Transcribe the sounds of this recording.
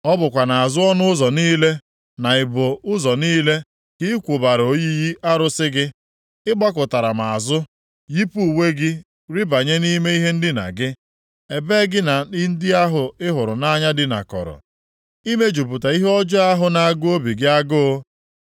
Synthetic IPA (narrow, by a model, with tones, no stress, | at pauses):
ɔ˦bʊ˨kʷa˨na˨a˨zʊ˦ɔ˦nʊ˦ʊ˦zɔ˨niː˦le˦ | na˨ɪ˨bʊ˨ʊ˦zɔ˨niː˦le˦ | ki˦kʷʊ˨ba˨ɾo˨ji˦ji˦ʔa˦ɾʊ˦sɪ˦ɡɪ˦ | ɪ˦ɡ͡ba˦k̬ʊ˨ta˨ɾa˨ma˨a˨zʊ˦ | ji˦pu˦u˨we˦ɡɪ˦ | ɾi˦ba˨ɲe˦ni˦me˦i˦ɦe˦n̩˦dɪ˦na̰˨ɡɪ˦ | e˨be˦ɡɪ˦na˨i˦n̩˦dɪ˦a˦ɦʊ˨ɪ˦ɦʊ˨ɾʊ˨na˦ɲa˦dɪ˦na̰˨kɔ̰˨ɾɔ̰˨ | i˦me˦d͡ʒu˨pu˨ta˨i˦ɦɔ˦d͡ʒɔ˦a˦ɦʊ˨na˨a˨ɡʊ˦o˦bi˨ɡɪ˦a˦ɡʊ˦